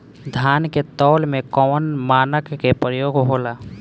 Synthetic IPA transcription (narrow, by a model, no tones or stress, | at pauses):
d̪ʱaːnket̪ɔːlmẽkɔːnmaːnəkːepɾəjoːɡɦoːlaː